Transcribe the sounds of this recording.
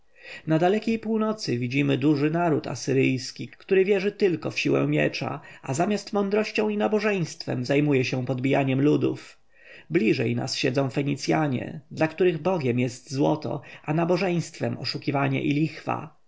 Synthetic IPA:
nad̪alɛkʲejpuwnɔt̪sɘvʲid͡ʑimɘd̪uʐɘnaɾut̪a̰sɘɾɘjskʲikt̪uɾɘvʲjɛʐɘt̪ɘlkɔfɕiwɛ̰̃mʲjɛ̰t͡ʂa̰ʔazamʲjast̪mɔnd̪ɾɔɕt͡ɕɔ̃w̃inabɔʐɛj̃st̪fɛ̰mzajmujɛɕɛpɔd̪bʲijaɲɛmlud̪uf | blʲiʐɛjna̰sɕɛd̪zɔ̃w̃fɛɲit̪sʲjaɲɛ̰d̪lakt̪uɾɘɣbɔɡʲjɛmjɛst̪zwɔt̪ɔ̰anabɔʐɛj̃st̪fɛmɔ̰ʂukʲivaɲɛ̰ʔilʲixfa̰

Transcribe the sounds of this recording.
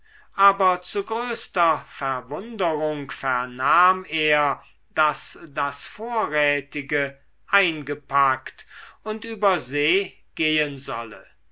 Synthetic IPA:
ʔaːbɐt͡suɡʁøːstɐfɛɐvʊndəʁʊŋkfɛɐnaːmeːɐ | d̥asdasfoːɐʁɛːtɪɡə | ʔaɪnɡəpaktʊntʔyːbɐzeː | ɡ̥eːənzɔ̰lə̰

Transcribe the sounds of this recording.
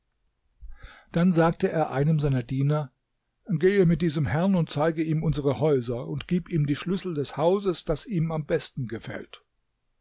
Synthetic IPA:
d̥anzaːk̚təʔeːɐʔaɪnəmzaɪnɐdiːnɐ | ɡ̥eːəmɪt̚d̥iːzəmhɛɐnʊnt̚t͡saɪɡəiːmʊnzəʁəhɔʏzɐʊntɡ̥iːpiːmdiːʃlʏsl̩dɛshaʊzəsd̥asiːmambɛstn̩ɡəfɛ̰lt

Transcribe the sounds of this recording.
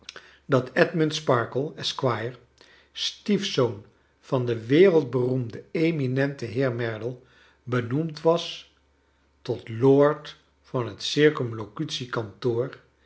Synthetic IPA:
dɑtɛdməntspɑɹkəlˠɛskwajəɹ | stifsown | v̥ɑndəʋɪːrəlˠd̚bərumdəejminɛntəɦɪːɹmɛɹdəlˠ | bənumtʋɑs | tɔtloːɹt | fɑnɦətsɪɹkɔmlokytsikɑntoːɹ

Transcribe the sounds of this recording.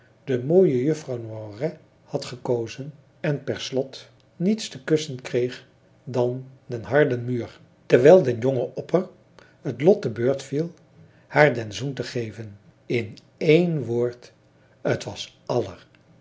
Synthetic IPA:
d̥əmoːjəjɵfrɑwnwarɛ | hɑtχəkowzən | ɛnpɛɹslɔt | nitstəkɵsənkrejχ | dɑndənɦɑɹdənmyːɹ | təɹʋɛlˠdɛnjoŋəʔɔpər | ɦətlɔt̚əbøːɹtfilˠ | haːɹdɛnzuntəχejvən | ɪn | ejnʋoːɹt | ətʋɑsɑlə̰r

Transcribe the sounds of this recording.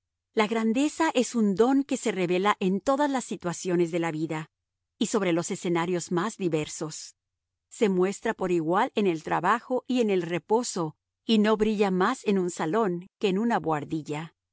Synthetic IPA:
laɣɾand̪e̞saʔe̞sund̪o̞ŋke̞se̞re̞βe̞laʔe̞nt̪o̞ðazlasːit̪wasjo̞ne̞zðe̞laβiða | iso̞βɾe̞lo̞se̞se̞naɾjo̞zmazðiβe̞ɾso̞sː | e̞mwe̞st̪ɾapo̞ɾiɣwale̞ne̞lt̪ɾa̰βaxo̞ʔie̞ne̞lre̞po̞so̞ | ino̞βɾiʝamase̞nunsalo̞ŋke̞ːnunaβwaɾðiʝa

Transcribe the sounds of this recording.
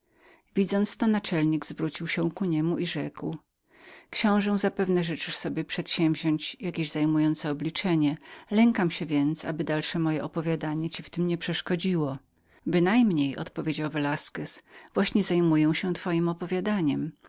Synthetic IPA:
vʲid̪zɔnt̪st̪ɔnat͡ʂɛlɲiɡzvɾut͡ɕiwɕɛ̃kuɲɛmuʔiʐɛkw | kɕɔ̃w̃ʐɛw̃zapɛvnɛʐɘt͡ʂɘʂsɔbʲjɛpʂɛt̪ɕɛmvʑɔɲt͡ɕjakʲeʑzajmujɔnt̪sɛɔblʲit͡ʂɛɲɛlɛŋkamɕɛvʲjɛnt̪sa̰bɘd̪alʂɛmɔjɛʔɔpɔvʲjad̪aɲɛt͡ɕift̪ɘmɲɛpʂɛʂkɔd͡ʑiwɔ | bɘnajmɲejɔ̰t̪pɔvʲjed͡ʑawvɛlaskɛsvwaɕɲɛzajmujɛ̃w̃ɕɛ̃t̪fɔjimɔpɔvʲjad̪aɲɛm

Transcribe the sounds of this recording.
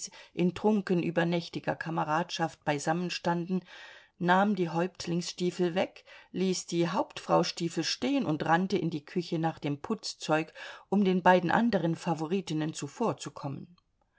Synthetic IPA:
ʔɪntʁ̥ʊŋkənʔyːbɐnɛçtɪɡɐ̰kʰaməʁaːtʃaft̚b̥aɪzamənʃtandn̩ | naːmdiːɦɔʏptʰlɪŋsʃtiːfl̩vɛkliːsd̥iːɦaʊptfʁ̥aʊʃtiːfl̩ʃteːənʊntʁantəɪndiːkʰʏçənaːχd̥eːmpʰʊt͡st͡sɔʏkʔʊmdeːnbaɪdn̩ʔa̰ndəʁ̞ənfavoʁiːtɪnənt͡sufoːɐt͡sukʰɔmə̰n

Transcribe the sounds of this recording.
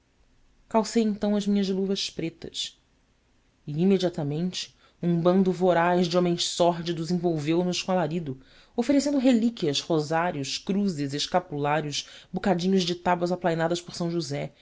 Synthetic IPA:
kawsejẽnt̪ɐ̃w̃ɐʒmĩɲɐʒluvɐspɾet̪ɐs | ɪimed͡ʒiat̪amẽnt͡ʃɪ̥ | ũbɐ̃nd̪ʊvoɾajzd͡ʒɪõmẽj̃ssɔɦd͡ʒid̪ʊzĩvowvewnʊʃkõalaɾid̪ʊ | ofeɾesẽnd̪ʊɦelikʲiɐʃhozaɾjʊʃkɾuzɪzeʃkapulaɾjʊʃbukad͡ʒĩɲʊʒd͡ʒɪt̪abwɐzaplajnad̪ɐʃpoɾsɐ̃w̃ʒuzɛ

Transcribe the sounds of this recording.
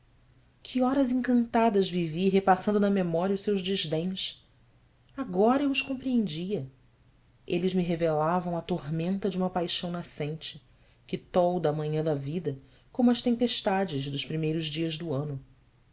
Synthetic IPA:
kʰiɔɾɐzẽŋkɐ̃nt̪ad̪ɐzviviɦepasɐ̃nd̪ʊnɐmemɔɾiɐʊsewʒd͡ʒɪʒd̪ẽj̃s | aɡɔɾɐewʊʃkõmpɾiẽnd͡ʒiɐ | elɪzmiɦevelavɐ̃w̃ɐt̪ohmẽnt̪ɐd͡ʒiũmɐpajʃɐ̃w̃nasẽjt͡ʃɪ | kɪt̪ɔwd̪ɐmɐ̃ɲɐ̃d̪ɐvid̪ɐ | kõmʊɐʃt̪ẽpeʃt̪ad͡ʒɪʒd̪ʊʃpɾimejɾʊʒd͡ʒiɐzd̪ʊɐ̃nʊ

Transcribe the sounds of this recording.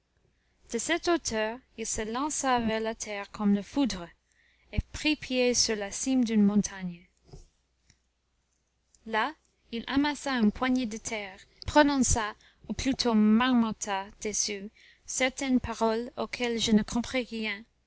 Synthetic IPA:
d̥əsɛt̪ot̪ʰœːʁilsəlɑ̃savɛʁlat̪ʰɛʁkʰɔmləfud̪ʁə | epχipʰjesyʁlasimd̪ynmɔ̃t̪ʰaɲ | la | ilʔa̰masaỹnpʰwaɲed̪ət̪ʰɛːʁ | pχɔnɔ̃sa | uplyt̪ʰomaʁmɑ̃t̪ʰad̪̥esy | sɛʁt̪ɛnpaʁɔlokʰɛlʒənəkʰɔ̃pχiʁjɛ̃

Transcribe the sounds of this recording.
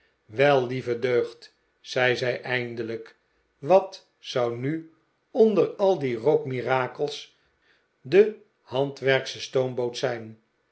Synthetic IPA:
ʋɛlˠlivədøɥχt | sɛjzɛjʔɛjndələk | ʋɑt | sɑwny | ɔndərɑlˠdirokmiraːkəlˠs | də | hɑntʋɛɹksəstownbowtsɛjn

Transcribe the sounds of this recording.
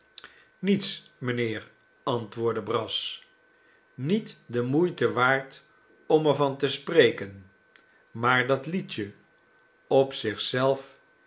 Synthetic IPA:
nits | məneːɹ | ɑntʋʊːɹdəbrɑs | nitdəmujtəʋaːɹt | ɔmɛɹvɑntəsprejkən | maːɹdɑtlitə | ɔpsɪχsɛlˠf

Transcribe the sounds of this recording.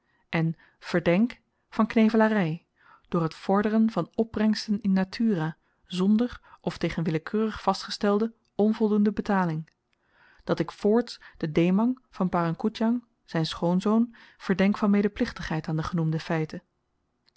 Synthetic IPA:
ʔɛn | v̥əɹdɛŋk | fɑnknejvəlaːrɛj | d̥ʊːɹɦətfɔɹdərənvɑnɔb̚rɛŋstənɪnːatʰyːra | zɔndəɹʔɔftejχənʋɪləkʰøːrəχfɑstχəstɛlˠdə | ɔnvɔlˠdundəbətaːlɪŋ | d̥ɑtɪkfʊːɹtd̥ədejmɑŋv̥ɑnpaːrɑŋkutjɑŋ | z̥ɛjnsχownzownv̥əɹdɛŋkfɑnmejdəɹplɪχtəχɦɛjtaːndəχənumdəfɛjtə

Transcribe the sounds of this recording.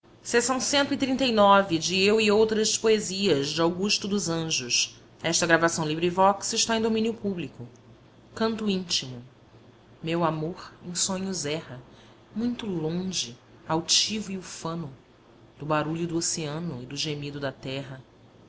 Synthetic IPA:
sesɐ̃w̃sẽnt̪ʊit̪ɾĩnt̪ejnɔvɪd͡ʒɪewiowt̪ɾɐspoeziɐzd͡ʒɪawɡuʃt̪ʊd̪ʊzɐ̃ʒʊʃ | ɛʃt̪ɐɡɾavasɐ̃w̃libɾivɔksɪʃt̪aẽj̃d̪omĩnjʊpublikʊ | kɐ̃nt̪ʊĩnt͡ʃimʊ | mewamoɾẽj̃sõɲʊzɛhɐ | mũj̃t̪ʊlõʒɪ | awt͡ʃivʊiufɐ̃nʊ | d̪̥ʊbaɾuʎʊd̪ʊoseɐ̃nʊɪd̪ʊʒemid̪ʊd̪ɐt̪ɛɦɐ

